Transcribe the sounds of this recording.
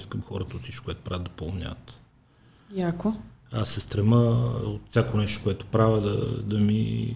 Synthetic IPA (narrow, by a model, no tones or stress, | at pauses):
skəmxɔɾət̪əot̪sit͡ʃʃko̥kːwɛt̪o̥ʊpɾavəd̪d̪ɐpolˠnʲa̰t̪ | jakoasːɛst̪ɾɛməot̪fsʲjakonɛʃt̪o̥kʊɛt̪o̥pɾavəd̪ɐ̰d̪ɐmḭ